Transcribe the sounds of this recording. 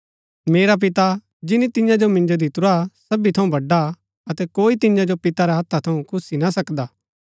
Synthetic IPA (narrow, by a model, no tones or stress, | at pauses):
meːɾap̬ɪt̪a | d͡ʒɪnit̪ɪ̃jãd͡ʒomɪ̃nd͡ʒod̪ʱɪt̪ʊɾasɐbit̪ʰɐũbʱɐɖa | ɐt̪ɛkoːit̪ɪ̃jãd͡ʒopɪt̪aɾɛɦɐt̪ʰːat̪ʰɐũkʰʊsinasɐkd̪aː